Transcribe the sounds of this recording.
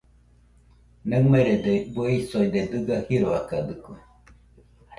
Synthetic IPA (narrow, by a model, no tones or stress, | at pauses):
nemeɾed̪ebueisoid̪ed̪ɨɡahiɾoakad̪ɯko